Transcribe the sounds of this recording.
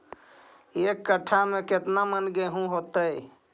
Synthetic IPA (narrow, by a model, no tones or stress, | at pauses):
eːkːəʈʰamẽkɪt̪namənɡeɦũɦoːt̪əj